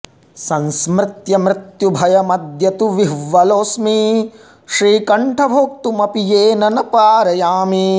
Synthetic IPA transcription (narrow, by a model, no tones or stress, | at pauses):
sɐnsmɾɪt̪jɐmɾɪt̪jubʱɐjɐmɐd̪jɐt̪uʋiɦʋːɐloːsmiː | ʃɾiːkɐɳʈʰɐbʱoːk̚t̪umɐpijeːnɐnɐpaːɾɐjaːmi